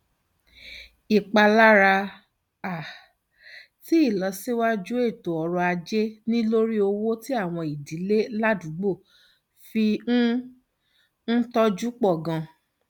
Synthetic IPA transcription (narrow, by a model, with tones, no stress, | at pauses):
i˨k͡pa˧la˦ɾa˧ | a˨ | ti˨˦i˦˨lɔ˨˦si˦wa˦d͡ʒu˦e˦˨to˨ɔ˧ɾɔ˧a˧d͡ʒe˦nĩ˦lo˦ɾi˦o˧wo˦ti˦a˦˨w̃ɔ̃˧i˨di˨˦le˦la˦dũ˨˦ɡ͡bo˦˨ | fi˧˦ | n̩˦tɔ˦d͡ʒu˦k͡pɔ˦˨ɡã˧